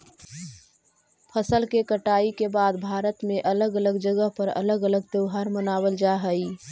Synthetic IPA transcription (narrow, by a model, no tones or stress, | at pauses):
pʰəsəlkekəʈaːikebaːd̪bʱaːɾət̪mẽʔɐləɡələɡd͡ʒəɡəɦpəɾɐ̰ləɡələɡ̚t̪əʊɦaːɾmənaːwəld͡ʒaːɦəi